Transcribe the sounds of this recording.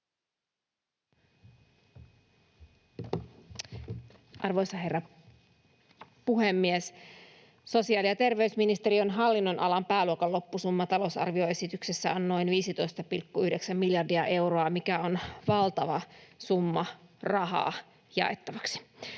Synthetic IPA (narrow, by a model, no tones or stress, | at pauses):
ʔɑrʋo̞jsɑherːɑ | puɦemːies | so̞siɑːliɑt̪erʋe̞ysminist̪e̞ɾio̞nɦɑlːinːo̞nʔɑlɑmpæːluokɑllo̞pːusumːɑt̪ɑlo̞sɑ̰rʋio̞e̞sit̪yksesːæo̞nːo̞jnʋiːsit̪o̞jst̪ɑpilkːuyhde̞ksæmːiljɑrdiɑʔe̞wɾoɑmikæo̞nʋɑlt̪ɑʋɑsumːɑrɑɦɑ̰ː | jɑ̰e̞t̪ːɑʋɑksi̥